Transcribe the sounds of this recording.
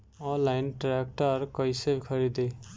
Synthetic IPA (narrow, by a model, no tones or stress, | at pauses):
ɔ̃lajnʈɾak̚ʈʌɾkʌjsebikʰʌɾid̪e